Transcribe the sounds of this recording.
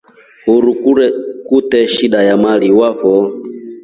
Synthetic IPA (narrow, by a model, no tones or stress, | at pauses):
huɾukuɛkutɛʃiɗajamaliwavɔ